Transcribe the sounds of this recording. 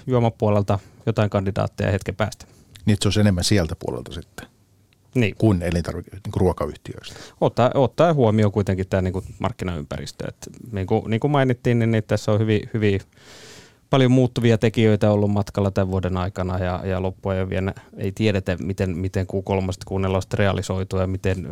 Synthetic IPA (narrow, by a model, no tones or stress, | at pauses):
juɑmɑpːuolelt̪ɑjot̪ɑiŋkɑndidɑ̰ːt̪ːiḛjɑ̰het̪kepæ̰ːst̪æ̥ | niet̪seoˑisenemːænsiælt̪æpṵo̰lḛlt̪ɑsit̪ːe̥ | niːkunelint̪ɑ̰rʋikniːŋkuruokɑyht̪iø̰ist̪ot̪ːɑot̪ːɑihuomiokuit̪eŋkit̪t̪æːniːkumʔɑ̰rkːinɑy̰mpæ̰rḭst̪ø̰ḛt̪niːŋkuniːŋkumɑinit̪ːiːnninnit̪t̪æsːohyʋihyʋi | pɑljomuːt̪ːuʋiɑt̪ekiøit̪æolːummɑt̪kɑlːɑt̪æʋʋuodenɑikɑnɑjɑ̰jɑlopːuejoʋḭenæḛit̪ieɾet̪æmit̪enmit̪eŋkukolmɑst̪kunːelːost̪reɑlisoit̪ujɑmit̪en